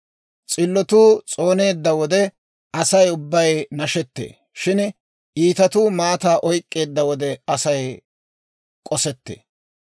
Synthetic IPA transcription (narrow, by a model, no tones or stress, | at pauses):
t͡sʼɪlːɔt̪uːt͡sʼo̞ːne̞ːd̪ːɐwɔd̪ɛ | ɐsɐjʊbːɐjnɐʃɛt̪ːḛː | ʃɪn | ʔiːt̪ɐt̪uːmaːt̪aːʔɔjkʼːe̞ːd̪ːɐwɔd̪ɛɐsɐj | kʼɔsɛt̪ːḛː